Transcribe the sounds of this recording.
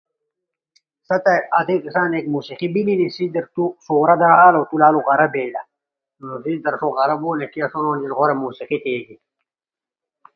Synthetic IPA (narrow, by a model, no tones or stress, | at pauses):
sɐt̪ɐʔɐt̪ikisaːnekmuːsiqibilinisid̪ɐɾt̪usoːɾad̪ɐɾaːlot̪ulaːluʁɐɾɐbeːlɐ | nosid̪ɐɾsoːɣɐɾɐboːnekijɐsonoːnilɣoɾemuːsiqit̪eːɡi